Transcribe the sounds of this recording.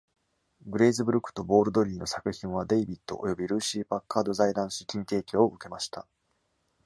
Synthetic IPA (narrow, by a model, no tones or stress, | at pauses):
ɡɯ̟ɾe̞ːzɨbɯ̟ɾɯ̟kːɯ̥t̪o̞bo̞ːɾɯ̟d̪o̞ɾʲiːno̞sakɯ̟çĩɰ̃β̞ad̪e̞ibʲit̪ːo̞̰ʔojo̞bʲiɾɯ̟ːɕiːbakːaːd̪o̞zaid̪ãɰ̃sɨ̥kʲĩnt̪e̞ːkʲoːʔɯ̟ke̞maɕi̥t̪a